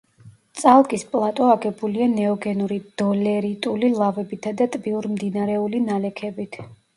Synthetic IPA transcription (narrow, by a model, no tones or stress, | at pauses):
t̪sʼalˠkʼispʼlˠat̪ʼɔaɡɛbulianɛɔɡɛnuɾid̪̥ɔlɛɾit̪ʼulilˠavɛbit̪ʰad̪at̪ʼbiuɾmd̪inaɾɛulinalɛkʰɛbit̪ʰ